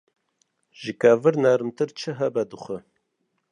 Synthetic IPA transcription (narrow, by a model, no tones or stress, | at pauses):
ʒikævɨɾnɛɾmt̪ɨɾt͡ʃʰɨɦɛbɛd̪ɨxʷə